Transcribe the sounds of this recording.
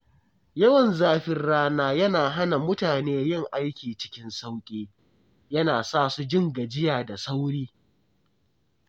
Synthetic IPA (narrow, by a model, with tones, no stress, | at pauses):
jɐ˦wɐ˨nzaː˦ɸɪ˦rɽaː˦naː˦jɐ˦naː˨ɦa˦na˨mʊ˦taː˨neː˦jɪ˦˨ŋʔa˦jkʲiː˨t͡ʃɪ̥˦kʲɪ˦nsa˦wkʲʼeː˦ | jɐ˦naː˨saː˦˨su˦d͡ʒɪ˦ŋɡa˨d͡ʒɪ˦jaː˨da˨sa˦wɽiː˦